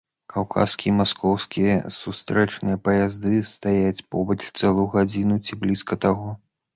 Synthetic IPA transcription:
kawkʰa̰skʲimaskɔwskʲijɐ̰sust̪ɾɛt͡ʂnɨjɐpɐjazd̪ɨst̪ajat͡sʲpɔbɐt͡ʂt̪sɛlˠujuɣad͡zʲinut͡sʲiblʲiskɐt̪aɣɔ

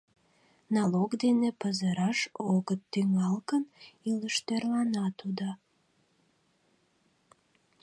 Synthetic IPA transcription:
nɑlokd̪enepəzəɾɑʃoɣət̪ːyŋɑlkəniləʃt̪erlɑnɑt̪ud̪ɑ

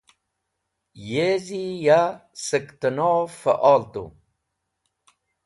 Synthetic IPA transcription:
jezijasəkt̪ənofa̰ʔaːlt̪ṵ

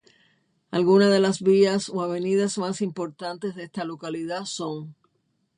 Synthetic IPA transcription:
alɣunaðe̞lasβiaso̞aβe̞niðasmasimpo̞ɾt̪ãnt̪e̞sðest̪alo̞kaliðaso̞ŋ

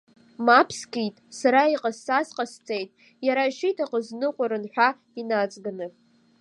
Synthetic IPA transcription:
mapʰskitʼsaɾaiqʼazsasqʼast͡sʼejtʼ | jaɾaʃitʰaqʼəznɨqʷʼaɾɨnħʷᶣa | inat͡sʼɡanɨp

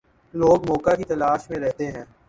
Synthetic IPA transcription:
loːɡmɔːkakit̪ɐlaːʃmẽɾɛɦt̪eɦɛ̃ː

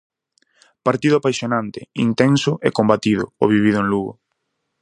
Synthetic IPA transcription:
paɾt̪iðʊapajsjonant̪ɪḭnt̪ɛnsʊʔɛkombat̪iðʊ̰oβiβ̞iðʊeŋluɣʊ̰

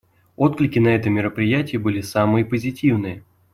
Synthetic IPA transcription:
o̞t̪klʲɪkʲɪnɐɛt̪əmʲɪɾəpɾʲɪjætʲɪjəbɨlʲɪsamɨjəpəzʲɪtʲivnɨjə

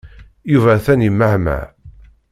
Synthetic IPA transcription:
juvæθænimːəhmæ̰

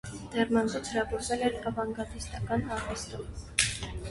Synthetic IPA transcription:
d̪̥ɛrmɑnzut͡sʰɾɑɡɔɾzɛlɛɾɑvɑŋɡɑt̪ist̪ɑkɑnɑɾvɛst̪ɔm

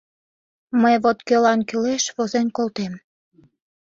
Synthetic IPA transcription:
məjβot̪kølɑnkyleʃβozenkolt̪em

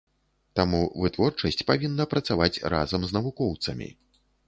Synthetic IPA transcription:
t̪amuvɨt̪vɔrt͡ʂɐsʲt͡sʲpavʲinːɐpɾɐt̪savat͡sʲra̰zɐmznɐvukɔwt̪sɐmʲḭ

